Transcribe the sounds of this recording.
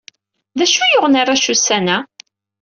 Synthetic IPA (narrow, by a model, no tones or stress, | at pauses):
ðæʃujʊʁnaɾˤaʃusænæ